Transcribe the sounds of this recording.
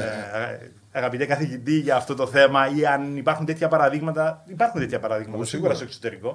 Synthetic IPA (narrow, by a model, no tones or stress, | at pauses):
e | ɐɣɐpit̪ekɐθicit̪iʝɐːft̪o̞t̪o̞θe̞mɐiɐnipɐɾxunt̪et̪çɐpɐɾɐðiɣmɐt̪ɐipɐɾxunt̪et̪çɐpɐɾɐðiɣmɐt̪ɐsiɣuɾɐsokso̞t̪e̞ɾiko̞